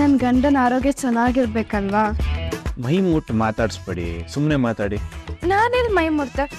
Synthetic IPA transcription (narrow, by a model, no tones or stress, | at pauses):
ɐnɡɐɳɖɐnaːɾoːɡjɐt͡ʃɐnːaːɡiɾbeːkɐlʋaː | mɐjmuːʈmaːt̪aːɽspɐɽḭsumnemaːt̪aːɽinaːnelmɐjmuɽt̪e